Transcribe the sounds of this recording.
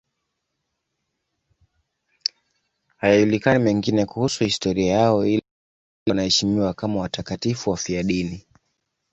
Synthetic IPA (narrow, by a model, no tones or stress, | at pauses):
hajajulikanimɛŋɡinɛkuhusuhistɔɾiajaɔi | nahɛʃimiwakamawatakatifuwafiaɗini